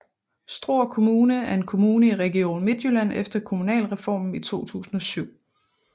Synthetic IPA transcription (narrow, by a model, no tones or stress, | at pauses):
sd̥ʁo̝ɐ̰kʰo̝muːnəæɐe̝nkʰo̝muːnəiʁɛɡ̥io̝̰ːnme̝d̥jølæn̰efd̥ɐkʰo̝munɛ̰ːlʁɛfɒ̰ːmn̩it͡sʰo̝̰ːt͡sʰṵːsn̩ɒ̽syʊ̰